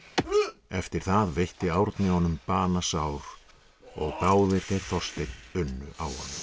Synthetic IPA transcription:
ɛft̪ɪɾ̥θaðvejht̪ɪaːwɾt̪nɪhɔnʏmpaːnasaːwɾ | ɔɣt̪aːwvɪɾθejɾ̥θɔst̪ejt̪nʏnːʏʔawhɔnːʏ

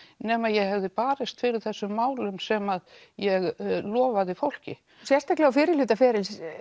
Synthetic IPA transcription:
nɛːmaðjɛɣhɛvðɪpaːɾɪst̪fɪɾɪɾ̥θɛsːʏmːaːwlʏmsɛmað | jɛɣlɔːvaðɪfowl̥cɪ̰ | sjɛrst̪aklɛɣafɪːɾɪlʏːt̪afɛːɾɪl

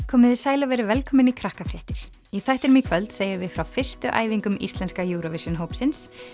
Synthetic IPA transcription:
kʰɔːmɪðɪsaːjlavɛːɾɪvɛlkʰɔːmɪnikʰɾahkafɾjɛht̪ɪɾ̥ | iθɛht̪ɛɾmikʰvœlt̪seːjʏvɪðfɾawfɪr̥st̪ʏʔa̰ːjviŋkʏmḭst̪lɛnskajuːɾɔvɪsjʏnɦoːwpsɪns

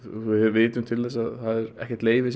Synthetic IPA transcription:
ɪvɪːt̪ʏmt̪ʰɪlθɛsːaðθaðɛɾɛ̰hcɛ̥ɾt̪leːjvɪs

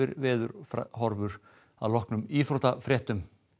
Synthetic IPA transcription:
ɪɾvɪːðʏɾfhɔɾvʏɾ̥ | a̰ðlɔhknʏmiːθɾɔt̪afɾjɛht̪ʏm

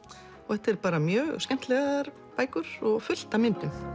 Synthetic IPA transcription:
ɔɛht̪ɛɾpaːɾamjœːɣskcɛm̥t̪lɛɣaɾ | paːjkʏɾ̥ɔɣfʏl̥t̪amɪnt̪ʏm

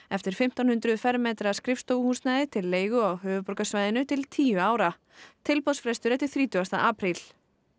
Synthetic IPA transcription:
ɛft̪ɪɾ̥fɪm̥t̪anhʏnt̪ɾʏðfɛɾmɛːt̪ɾaskɾɪfst̪oːwhuːsnaːjðɪt̪ʰɪlːeːjɣʏawɦʏːvʏpɔɾkasvajðɪnʏt̪ʰɪlt̪ʰiːʏaːwɾa | t̪ʰɪlpɔsfɾɛst̪ʏɾɛft̪ɪɾ̥θɾiːt̪ʏɣast̪a̰ʔaːpɾil

